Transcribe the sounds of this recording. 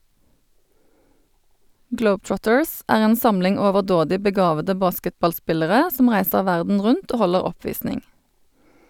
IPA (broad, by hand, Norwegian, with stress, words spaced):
ˈɡləʊbˌtɹɔtəɹs ˈæːʁ ˈeːn ˈsɑmlɪŋ oːʋəʁˈdoːdɪ bəˈɡɑːʋədə ˈbɑːskətbɑlˌspɪləʁə ˈsɔm ˈʁæɪsəʁ ˈʋæʁdn̩ ˈʁʉnt ˈoː ˈhɔləʁ ˈɔˌpʋiːsnɪŋ